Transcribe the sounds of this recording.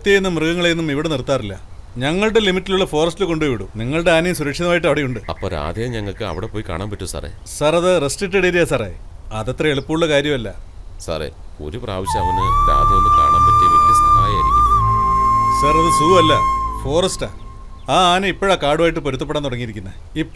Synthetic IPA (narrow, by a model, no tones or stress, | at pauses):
t̪ːiejenːɐmrɨɣɐŋːɐɭenːumiʋiɽenirt̪ːaːrilːɐ̰ | ɲɐŋːɐɭɽelimitːiluɭːɐfo̞ːrɐstɨkoɳɖuʋiɽuniŋːɐɭɖe̞aːnejumsuɾɐkʂɐðɐmaːjiʈ̬ːɐʋiɽejuɳɖɨɐpːoːɾa̰ːd̪ʱjejɲɐŋːɐɭkɨɐ̰ʋiɽepoːjika̰ːɳaːmpɐtːusa̰rḛː | sɐrɐðɨresʈiʈːeɽeɾijasɐrḛ | ɐðɐt̪rɐeɭupːuuɭːɐkaːɾjɐmɐlːɐ̰ | sa̰rḛo̰ɾupra̰ːʋɐɕjɐmɐʋɐnːeɾa̰ːd̪ɐonːɨka̰ːɳaːmpɐtːiikːisɐt̪ɐaːja̰ːiɾikʲːunːɐ | sɐrɐðɨsuːɐlːɐfo̞ːrɐsta̰ː | aːaːnɨipːoːɻaːkaːɽuʋaːjiʈ̬ːɨpo̞ɾut̪ːɐpːeɽaːnt̪uɽɐŋːiɾikʲːunːɐ | ipː